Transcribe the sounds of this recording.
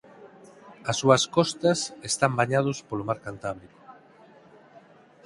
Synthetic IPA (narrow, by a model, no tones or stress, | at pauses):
ɐsːuɐskɔst̪ɐsest̪ambaɲað̞ospolomaɾkant̪aβɾiko̥